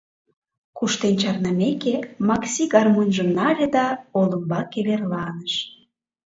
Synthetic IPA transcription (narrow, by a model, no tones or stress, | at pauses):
kuʃt̪ent͡ɕɑrnəmekemɑksiɣɑrmonʒəmnɑlʲed̪ɑolə̆mbɑkeβerlɑnəʃ